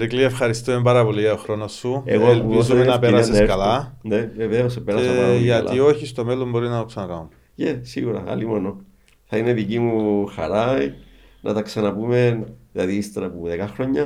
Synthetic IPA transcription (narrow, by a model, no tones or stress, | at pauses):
ɾikliefxɐɾist̪umembaɾɐpo̞liʝɐt̪oxɾo̞nosːuḛɣolizumenɐpeɾaseskɐlaneveveospeɾasʝɐlio̞çist̪o̞melo̞mbo̞ɾinɐt̪oksɐnakaum | jesiɣuɾa̰a̰limono | θaineðikimuxa̰ɾajnʔɐ̰t̪aksanapumenðeaðist̪ɾɐpuðekaxɾoɲːa